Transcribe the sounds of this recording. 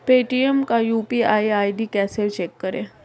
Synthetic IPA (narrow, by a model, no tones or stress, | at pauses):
peʈiemkajuːpiajajɖiːkɛselt͡ɕekːəɾe